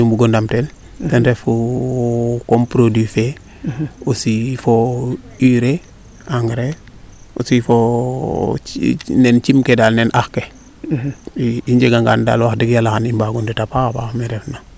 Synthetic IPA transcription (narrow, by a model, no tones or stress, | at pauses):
umbuɡondamtɛl | tɛnɾɛfu | kompɾodife | usifo | iɾe | aŋɡɾe | ṵsifo | nɛnt͡ʃimkedalnɛnʔaxke | iɲd͡ʒeɡaŋɡa̰nda̰ːlwaxdikjalaxanimbaɡunditapabahmiɾɛfna